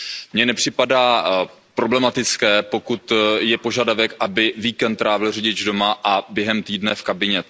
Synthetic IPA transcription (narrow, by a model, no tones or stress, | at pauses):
mɲɛnɛpr̝̥ɪpadaː | pɾo̞blɛmat̪ɪt͡skɛːpo̞kut̪jɛpo̞ʒadavɛkʔabɪviːkɛnt̪ːɾaːvɪlr̝iɟɪd͡ʒdo̞maʔabjɛɦɛmt̪iːdnɛfkabɪɲɛ